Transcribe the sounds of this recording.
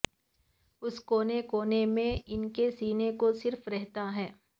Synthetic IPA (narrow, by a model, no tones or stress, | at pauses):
ʊskoːnekoːnemẽɪnkesiːnekosɪɾfɾɛɦt̪aɦɛː